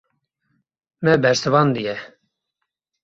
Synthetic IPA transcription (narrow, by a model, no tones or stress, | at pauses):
mɛbɛɾsɨvɑːnd̪ɨjɛ